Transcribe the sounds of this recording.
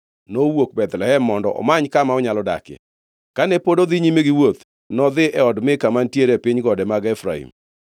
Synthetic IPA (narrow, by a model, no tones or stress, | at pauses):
nowok̚bɛt̪lɛhɛmːɔndɔ̰ʔɔ̰maɲkamaɔɲalɔda̰kḛ | kanɛpodoðɪɲimeɡɪwot̪ | nɔðɪʔɛɔdmɪkamantjeɾepɪɲɡɔdɛmaɡɛfɾa̰hḭm